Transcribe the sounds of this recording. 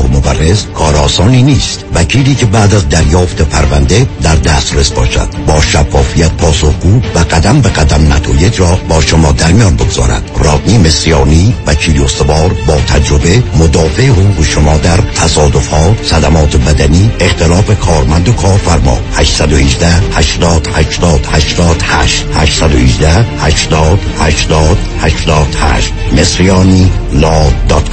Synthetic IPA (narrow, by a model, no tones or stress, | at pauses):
mobærːezkʰɒːɾɒːsɒːniːniːst̪væcʰiːliːcʰe̞bæːd̪æzd̪æɾjɒːft̪ʰepʰæɾvænd̪e̞d̪æɾd̪æst̪ɾesbɒːʃæ̰d̪̥bɒːʃæfːɒːfijæt̪̚pʰɒːsohɡuːvæɡæd̪æmbeɣæd̪æmnæt̪ʰɒːjed͡ʒɾɒːbɒːʃomɒːd̪æɾmijɒːnbeɡoz̥ɒ̰ːɾæ̰d̪̥rɒːɡniːme̞sijɒːniːvæcʰiːliost̪evɒːɾbɒːt̪ʰæd͡ʒɾobe̞mod̪ɒːfeehoɣuːɣeʃomɒːd̪æɾt̪ʰæsɒːd̪ofhɒːsæd̪æmɒːt̪ʰebæd̪æniːext̪ʰelɒːfekʰɒːɾmænd̪okʰɒːɾfæɾmɒ̰ːhæʃsæd̪ohiːd͡ʒd̪æhæʃt̪ɒːd̪̥hæʃt̪ɒːd̪̥hæʃt̪ɒːd̪̥hæʃt̪hæʃt̪sæd̪ohiːd͡ʒd̪æhhæʃt̪ɒːd̪̥hæʃd̪ɒːd̪̥hæʃd̪ɒːd̪̥hæ̰ʃt̪mesɾijɒːniːlɒːd̪ɒt̪kʰ